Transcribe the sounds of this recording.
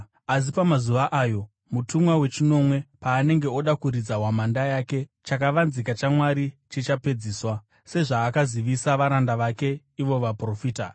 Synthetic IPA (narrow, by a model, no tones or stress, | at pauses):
as̬ipamazuʋaʔaːjo̞ | mutumwawe̞t͡ʃino̞mwe̞paːne̞ŋɡe̞o̞ɗakuɾid͡zaɦwamandajaːke̞t͡ʃakaʋanzikat͡ʃamwaɾit͡ʃit͡ʃape̞d͡ziːswa | se̞ʐaːkaziʋisaʋaɾandaʋake̞ | iʋo̞ʋapro̞fiːta